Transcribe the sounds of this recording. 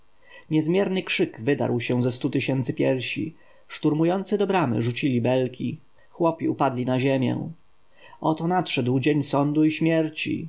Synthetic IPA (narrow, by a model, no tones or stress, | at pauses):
ɲɛzmʲjɛɾnɘkʂɘkvɘd̪a̰ɾwɕɛ̃zɛst̪ut̪ɘɕɛnt̪sɘpʲjɛɾɕḭ | ʂt̪uɾmujɔnt̪sɘd̪ɔbɾamɘ̰ʐut͡ɕilʲibɛlkʲʰḭ | xwɔpʲiupad̪lʲinaʑemʲjɛ̰w | ɔt̪ɔnatʂɛd̪wd͡ʑeɲsɔnd̪uiɕmʲjɛɾt͡ɕḭ